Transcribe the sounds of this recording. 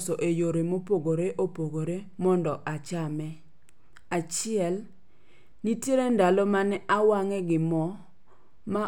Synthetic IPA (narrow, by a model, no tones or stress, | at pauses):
sɔʔejoɾemopoɡoɾeʔopoɡoɾemɔndɔʔat͡ʃamɛ | at͡ʃɪɛl | nitjeɾendalɔmanɛʔawaŋɛɡɪmɔ | ma